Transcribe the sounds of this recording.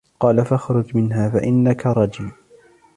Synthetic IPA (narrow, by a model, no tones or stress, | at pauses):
qɑːlafaxɾˤʊd͡ʒmɪnɦaːfaʔɪnːakaɾˤɑd͡ʒɪː